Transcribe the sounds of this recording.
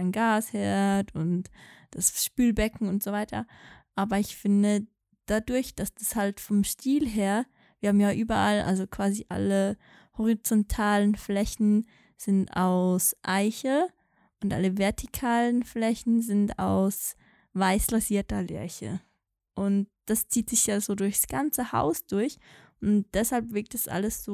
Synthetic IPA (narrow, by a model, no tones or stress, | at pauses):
ɪnɡaːshɛɐtʊntd̥asʃpyːlbɛkŋ̩ʊntz̥ovaɪtɐ̰ʔaːbɐɪçfɪndə | d̥adʊɐçd̥asd̥ashaltfɔmʃtʰiːlɦeːɐ | v̥iːɐhaːbm̩jaːʔyːbɐʔalʔa̰lzokv̥aːziʔa̰lə | hɔʁit͡sɔntʰaːlənflɛçn̩ | z̥ɪnta̰ʊsʔaɪçə | ʔʊntʔa̰ləvɛɐtʰikʰaːlənflɛçn̩zɪnta̰ʊs | vaɪslaziːɐtɐlɛ̰ɐçə̰ | ʔʊntd̥ast͡siːtz̥ɪçjaːzoːdʊɐçsɡ̥ant͡səha̰ʊsd̥ʊɐçʔʊnt̚d̥ɛshalpv̥ɪɐk̚t̚d̥asʔa̰ləsz̥oː